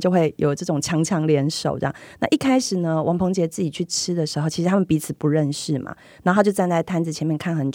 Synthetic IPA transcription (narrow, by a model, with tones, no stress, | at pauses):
t͡ɕjo˥˧ʊxwe˥˩ɪjo̰˨˩ʊʈ͡ʂɤ˥˩ʈ͡ʂʊ˨˩ŋt͡ɕʰjɑ˧˥ŋt͡ɕʰjɑ˧˥ŋljɛ˧˥nʂo̰˨˩ʊʈ͡ʂɑ̰˥˩ŋna̰˥˧ʔi˥˩kʰa˥ɪʂɻ̩˨˩nə˦wʔɑ˧˥ŋpʰo˧˥ŋt͡ɕjɛ˧˥t͡sɹ̩˥˩t͡ɕi˨˩t͡ɕʰy˥˩ʈ͡ʂʰɻ̩˥d̪ə˨ʂɻ̩˧˥xo˥˧ʊt͡ɕʰi˧˥ʂ̩ʰ˧a˥mə˨npi˧˥t͡sʰɨ˨˩pu˧˦ɻə˥˧nʂɻ̩˥˩ma̰˩ | na˧˥nxo˥˧ʊt͡ɕjo˥˧ʊt͡sa˥˧nt͡sa˥˩ɪt̪ʰa˥nd͡zɹ̩˨˩t͡ɕʰjɛ˧˥mjɛ˥˧nkʰa˥˩nxə˧˥nʈ͡ʂ